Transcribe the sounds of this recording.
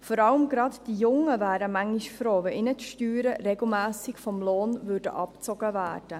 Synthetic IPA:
fɔɾɑləmɡɾɑtd̥ijʊŋəvæːɾəmæŋiʃfɾoːʋɛʔɪnətʃtyːɾəɾɛɡl̩mæːsɪkfɔmloːnvʉɾdə̰ʔɑpt͡sɔɡ̥əvæːrd̥ə

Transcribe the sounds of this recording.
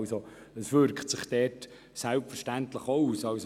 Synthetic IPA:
so | əsʋʏɾkχtsɪχd̥ɛːt | sælpfərʃtæntləχouːsɑws

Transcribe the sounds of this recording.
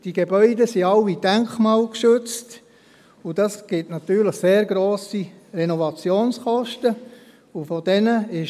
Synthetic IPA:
d̥iɡ̥ebœʏdəsiɑwid̥æŋkmɑːlkʃøt͡st | ud̥ɑsɡ̥ɪtnɑt̪yːɾləχseːɾɡɾoːsirɛnɔvɑt͡sjoːnskɔʃtə | ufɔdɛnəɪʃ

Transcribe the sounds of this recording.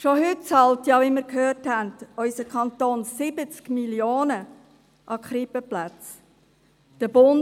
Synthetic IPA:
ʃoɦʏt̚t͡sɑltjɑʋimɪɾkhøːrthændœʏsəkʰχɑnt̪oːnsɪbət͡skmiljoːnə | ʔɑkχɾipəplæt͡s | d̥əbʊn

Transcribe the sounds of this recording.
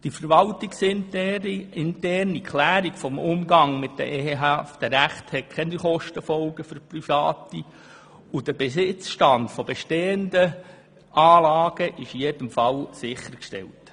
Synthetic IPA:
d̥ifəɾʋɑltiksɪntɛriɪntɛrnikʰlæːɾiɡ̥fɔmʊmɡɑŋmɪtdə̰ʔeːheɦæfd̥əɾæχthɛt̚kʰɛniχɔʃtəfɔlɡəfʏɾprifɑːti | ud̥əbesɪt͡sʃtɑndfɔbeʃteːəndə | ʔɑːlɑːɡ̥əʔɪʃijed̥əmfɑlsɪχːəɾkʃtɛ̰lt

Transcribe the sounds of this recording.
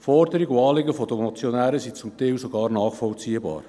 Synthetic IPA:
fɔɾd̪əɾɪɡʊɑːlɪɡəfɔd̥̪əmot͡sjonæːɾəsit͡sʊmt̪ɛwsoɡɑːɾnɑːχfɔlt͡siːəbɑ̰ːɾ

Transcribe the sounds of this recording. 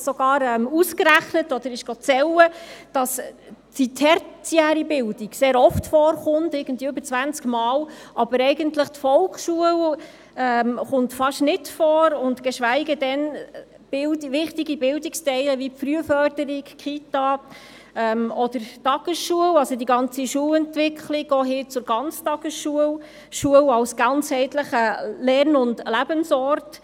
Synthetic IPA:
sɔɡ̥ɑːɾɛmuskɾæχnətɔd̥̪əɾɪʃɡ̥ot͡sɛwəd̥ɑsd̥itʰɛɾt͡siæːɾibɪld̥iɡseːɾɔftfɔːɾχʊntɪɡ̥ən̩tviəøbəɾt͡sʋænt͡skmɑːlʔɑbəɾɛɪɡəntləχtfɔlkχʃuəl | ɛmχʊntfɑʃnɪtfɔːɾʊntɡ̥əʃʋæɪɡədɛn | b̥ɪldʋɪχtiɡibɪldɪkstɛɪləʋifɾyəfœrdəɾɪkkʰχitɑ | ɛːmɔd̥əɾtɑɡ̥əsʃuəwɑsodiɡɑnt͡siʃuəlɛntʋɪkχliɡ̥ɔːɦɪːt͡sʊɾɡɑnt͡stɑɡ̥əsʃuə | ʃuəwɑlsɡ̥ɑnt͡shɛɪtləχəlɛɾnʊndlæbənsɔɾt

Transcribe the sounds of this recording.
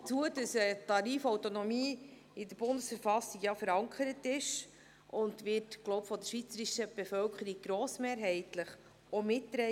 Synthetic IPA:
t͡suədəsətɑɾiːfɔwtonɔmiː | ɪdəɾb̥ʊndəsfəɾfɑsiɡjɑfəɾɑŋkʰəɾətɪʃ | ʊndʋɪːtɡ̥lɔʊwpfɔd̥̪əʃʋit͡səɾiʃəb̥efœlkʰχəɾiɡ̚ɡ̥ɾɔːsmeːɾɦɛɪtləχ | ɔmɪtːɾɛ

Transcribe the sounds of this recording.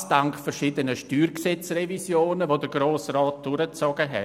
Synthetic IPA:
d̥aŋkfɛɾʃidənəʃtyːrksɛt͡srɛvisjoːnəʋoːdəɡɾoːsrɑːt̚d̥ʊɾət͡sɔɡ̥əɦɛ̰

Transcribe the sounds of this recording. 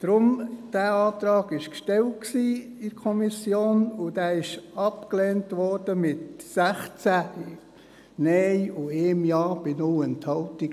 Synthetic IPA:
d̥ɾʊmd̥æːɑːt̪ɾɑːɡɪʃkʃtɛlt̚ksiːɪɾkʰɔmisjoːnʊd̥æɪʃɑpklɛːntʋɔrd̥əmɪtsæχt͡sæ | nɛɪʊeːmjɑːb̥ɪnoːɛnthɑltiɡ

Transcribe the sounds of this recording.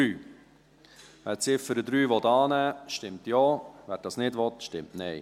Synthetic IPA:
yː | ʋæːɾt͡sɪfəɾəd̪ɾyːʋɔtɑːnæːʃtɪmt̪joːʋæːɾd̥ɑːsnɪdʋɔt̪ʃtɪmtnɛj

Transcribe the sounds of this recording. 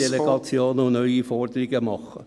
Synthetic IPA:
eleɡ̥ɑt͡sjoːnəʊnœʏifɔrd̪əɾɪɡəmɑχːə̰

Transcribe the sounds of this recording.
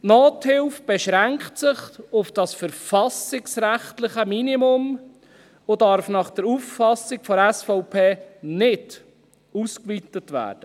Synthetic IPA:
noːthɪlfb̥ɛʃɾæŋktsɪχʊfd̥ɑsfəɾfɑsɪksɾæχt̪lɪχəminimʊm | odɑɾfnɑχd̥əɾuffɑsːɪkfɔɾɛsfɔʊpʰeːnɪd̥ | uskʋitətʋæ̰ːd̥ə

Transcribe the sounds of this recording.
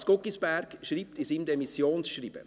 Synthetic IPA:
skɔkisb̥æɾkʃɾiːp̚t̪isiːmd̪ɛmisjoːnsʃriːb̥ə̰

